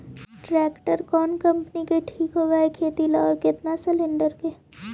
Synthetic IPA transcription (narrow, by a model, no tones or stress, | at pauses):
ʈɾɛːkʈəɾkɔːnkɐ̃mpnikeʈʰiːkɦoːɡaekʰeːt̪ilɔːɾkɪt̪nasɪlɪ̃ɳɖəɾke